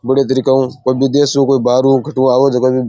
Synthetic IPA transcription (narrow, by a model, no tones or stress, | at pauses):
bɐɽet̪ɐɾikɐũkoibid̪eːsũːkoibaːɾũːkɐʈũːaːwod͡ʒɐkobi